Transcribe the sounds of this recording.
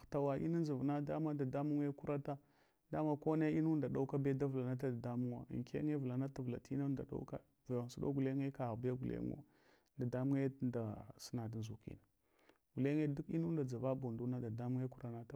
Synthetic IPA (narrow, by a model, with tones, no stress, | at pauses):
ta˨wa˨ʔḭ˦na˦n˦zi˨vna˦da˦ma˦da˨da˦mu˦ŋ˦e˦ku˦ɾa˦ta˦ | da˦ma˦ko˦ne˦i˦nu˦n˦da˨da˦u˦ka˦be˦da˦vla˨na˦ta˦da˨da˦mu˦ŋwa̰˦˨ŋkḛ˦ŋe˦vu˨la˨na˦ta˨vla̰˨ti˦na˦nda̰˨da̰˦wka̰˦ | va˨a˨n˨su˦do̰˦ɡu˨le˦ŋe˦ka˨bja˦ɡu˨lḛ˦ŋo̰˦ | da˨da˦mu˦ŋe˦nda˨sə˦na˨da˨nzu˨kḭ˦na˨ | ɡu˨le˦ŋe˦du˦ki˦nu˦n˦da˨d͡za˨va˦bu˨ndu˦na˦da˨da˦mu˦e˦ku˦ɾa˨na˦ta˦